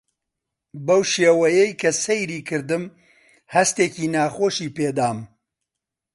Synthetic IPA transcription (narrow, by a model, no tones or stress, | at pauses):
bɐwʃeːwɐjɛjkʰɐsejɾiːkʰɨɾd̪ɨm | hɐst̪eːciːnaːxoːʃiːpeːd̪aːm